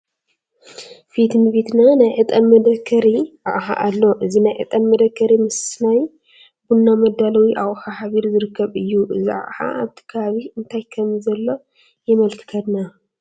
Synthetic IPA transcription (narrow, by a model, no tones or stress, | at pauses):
fit̪mɨβit̪nanajʕɨt̪ʼɐmːɐd̪ɐkʰːɐɾiʔa̰ʔħa̰ʔalːo̞ʔɨzinajʕɨ̰t̪ʼɐmːɐd̪ɐkʰːɐɾimɨsnaj | bunːamɐd̪ːalɐwiʔawħahaβiɾzɨɾɨkːɐβɨjːuʔɨzia̰ʔħa̰ʔaβt̪ʰi̥kʰɐaβiʔɨnt̪ʰajkʰɐmzɐlːo̞ | jɛmɐlk̪ʰɨ̥kʰɐd̪na